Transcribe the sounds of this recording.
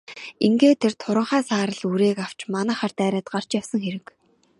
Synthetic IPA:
iŋɡeːt̪ʰert̪ʰʊɾə̆ɴχæːsaːɾə̆ɮuɾeːkaw̥t͡ɕmanæːχart̪æːɾʲæːt̪̚ɢar̥t͡ɕjawsə̆ŋxeɾɘ̆k

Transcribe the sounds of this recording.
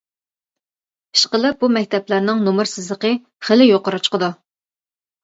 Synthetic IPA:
i̥ʃqəlˠɨp̚bumɛk̚ʲt̪ɛplæɾnɪŋnomɨɾsɪzlˠəqə | χəlɪjoqəɾut͡ʃqəd̪u

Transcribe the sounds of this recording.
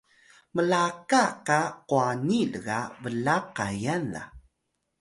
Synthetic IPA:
məlakakaquanilɡa̰vəlaqajanða̰

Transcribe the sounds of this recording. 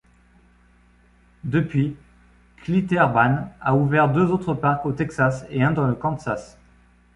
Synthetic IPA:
d̪əpɥi | klit̪ɛʁbanauvɛʁd̪øzot̪χəpaʁkot̪ɛksaseɛ̃d̪ɑ̃ləkɑ̃t̪sas

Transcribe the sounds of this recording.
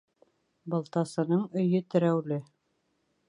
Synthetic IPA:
bɤ̆lˠt̪ɑsɤ̆nɤɴɵ̆jɵt̪ɘ̆ɾæwlɘ

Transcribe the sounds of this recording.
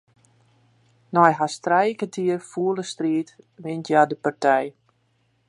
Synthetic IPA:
nɔjɦastrɛjkətʰiərfuːələstriːtʋɪntjadəpartʰɛj

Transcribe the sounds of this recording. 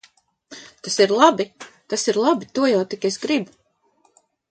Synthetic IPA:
t̪asiɾlˠabit̪asiɾlˠabit̪uɔjawt̪ikʲesɡɾib

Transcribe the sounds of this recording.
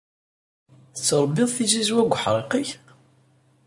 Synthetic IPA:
θət͡sːəɾˤbːɪðˤθizizwæɡʷħɾˤeqiç

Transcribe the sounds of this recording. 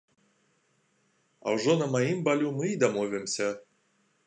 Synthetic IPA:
a̰wʐonɐmajimbalʲumɨid̪amovʲɛmsʲɐ

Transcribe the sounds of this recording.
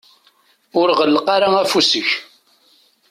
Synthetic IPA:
ʊɾʁəlːəqɑɾaæfusəç

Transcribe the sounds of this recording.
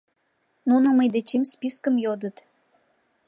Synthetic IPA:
nunəməjd̪et͡ɕimspiskəmjod̪ət̪

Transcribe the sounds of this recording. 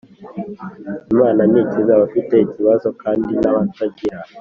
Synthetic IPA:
mananicezawafiteiciβazokaːndinaβataɟiɾa

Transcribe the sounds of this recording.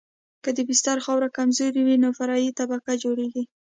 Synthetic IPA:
kəd̪əbɪst̪aɾxɑwɾakamzoɾiwinofaɾɑjit̪abakad͡ʒoɽeɡi

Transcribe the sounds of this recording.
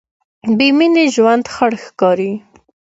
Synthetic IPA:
bemineʒwand̪xaɽxkɑɾi

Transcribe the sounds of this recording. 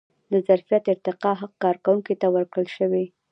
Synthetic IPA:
d̪əzaɾfjat̪ɪɾt̪ɪqɑɦaq̚kɑɾkawuŋket̪awəɾkɽəlʃəwe

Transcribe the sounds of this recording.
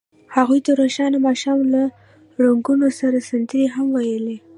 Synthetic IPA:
haɣujt̪aɾaʃɑnamɑʃɑmla | ɽaŋɡunosaɾasant̪əɾiɦamwajəli

